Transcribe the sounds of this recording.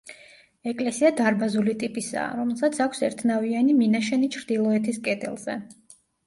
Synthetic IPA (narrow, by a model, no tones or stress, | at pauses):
ɛkʼlɛsiad̪aɾbazulit̪ʼipʼisa̰ːɾɔmɛlˠsat̪sʰakʷʰsɛɾt̪ʰnavianiminaʃɛnit͡ʃʰɾd̪ilˠɔɛt̪ʰiskʼɛd̪ɛ̰lˠz̥ɛ̰